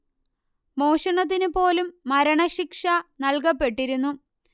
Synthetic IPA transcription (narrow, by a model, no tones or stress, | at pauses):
mo̞ːɕɐɳɐt̪̬ːinupo̞ːlumːɐɾɐɳɐɕikʂɐnɐɭkɐpːe̞ʈːiɾunːu